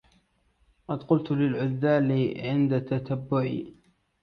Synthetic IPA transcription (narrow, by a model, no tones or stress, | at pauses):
qɑd̪qʊlt̪lɪlʕʊðːaːlɪʕɪnd̪at̪at̪abːʊʕḭ